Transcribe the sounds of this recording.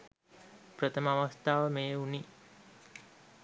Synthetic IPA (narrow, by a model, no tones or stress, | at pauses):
prət̪ʰəməaʋast̪aːʋəmeːuni